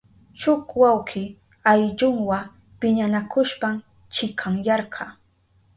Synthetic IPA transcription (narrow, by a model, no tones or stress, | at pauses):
t͡ʃʊkwawkʰɪ | ajʎʊŋwa | pɪɲanakʊʃpam | t͡ʃɪkʰaŋjɑɾɢʰɑ